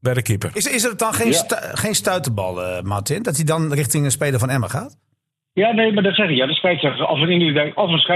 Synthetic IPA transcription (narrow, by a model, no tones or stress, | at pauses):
bɛjdəkipə̰rɪsɪsətɔnxeːsxeːnstœɥtəbɔ̰lˠəmartɪndɔtidɔnrɪxtɪŋənspeːlˠəfɔnɛməxaːt | jaːneːmadɔtsɛxɪkjadɔtspɛtsəɔfəninədɛkɔfənsɛ